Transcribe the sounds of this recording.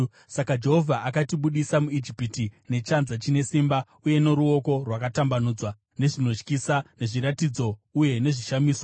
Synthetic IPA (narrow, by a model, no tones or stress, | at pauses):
sakad͡ʒe̞ɦo̞vʱaʔakatiɓuɗisamuid͡ʒipitine̞t͡ʃanzat͡ʃine̞simba | uje̞no̞ɾuo̞ko̞rwakatambanuːd͡zwa | ne̞ʐino̞t͡ʃkisane̞ʐiɾatid͡zo̞uje̞ne̞ʐiʃamiːswa